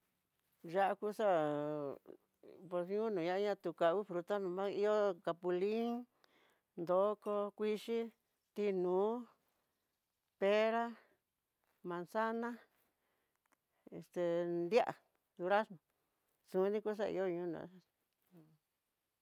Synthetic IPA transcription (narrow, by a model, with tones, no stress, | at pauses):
ʒa˦ʔa˦˧ku˦sa˦ | po˧sɲũ˦nũ˨ɲã˦ɲã˧t̪u˧ka˧˨˧βi˦fɾu˧t̪a˦nũ˨˧mã˦i˦jo˦ka˧pu˧li˦ŋ | nd̪o˨˦ko˧kʷi˦ʂi˦ | t̪i˧nũː˨˦ | pe˦ɾa˦ | mã˨nsa˦nã˦ | e˧˨st̪e˨nd̪ja˦ʔa˨ | ðu˧ɾa˦smõ˨ | sũ˨˦nĩ˦ku˦s̬a˦˧ḭ˧jo˦ɲũː˦nṵ̃˨˦˧